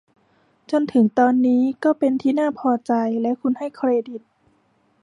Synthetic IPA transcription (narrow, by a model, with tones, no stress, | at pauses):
t͡ɕo˧nt̪ʰɯ˩˦ŋt̪ɔː˧nːiː˦˥kɔː˥˩pe˧nt̪ʰiː˥˩naː˥˩pʰɔː˧t͡ɕa˧jlɛ˦˥wkʰu˧nha˥˩jkʰɾeː˧di˨˩t̪̚